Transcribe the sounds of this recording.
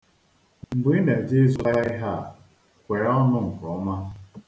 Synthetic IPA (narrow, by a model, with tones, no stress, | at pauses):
m̩˨ɡ͡bi˦na˨d͡ʒe˦zu˦a˦ɪ˦ɦa˦˨ | kkʷe˨ɾɔ˦nʊ˦ŋ̩˨kɔ˨˦ma˦